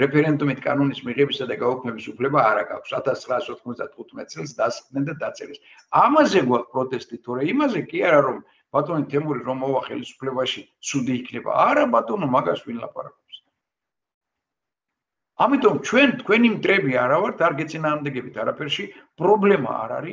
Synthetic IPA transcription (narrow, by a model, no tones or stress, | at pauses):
ɾɛpʰɛɾɛnd̪umit̪ʰkʼa̰nɔnismiʁɛbisad̪aɡaɔkʰmɛbisupʰlɛbaːɾaɡa̰kʰsat̪ʰast̪sʰχɾaːsɔt̪ʰχmɔzd̪at̪χut̪ʰmɛt̪̚ʼsʼɛlˠs̬d̪asd̪nɛnd̪ad̪at̪sʼɛ̰ɾɛs | amazɛɡwakʰpʼɾɔt̪ʼɛst̪ʼit̪ʰɔɾɛimazɛkʼiaɾaɾɔm | b̥at̪ʼɔnit̪ʰɛmuɾiɾɔmɔvaχɛ̰lisu̥pʰlɛbaʃit̪sʰud̪iːkʰnɛba̰aɾabat̪ʼɔnɔmaɡaɾsvinla̰pʼa̰ɾa̰kʼɔps | amit̪ʼɔmt͡ʃʰwɛnt̪ʰkʰwɛnimt̪ʼɾɛbiaɾavaɾt̪ʰaɾɡɛt̪sʼinaːʁmd̪ɛɡɛbit̪ʰaɾapʰɛɾʃi | pʼɾɔblɛma̰ːɾa̰ɾi